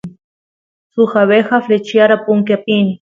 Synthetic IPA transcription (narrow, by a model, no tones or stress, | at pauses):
sʊxaβexaflet͡ʃjaɾapʊŋkapini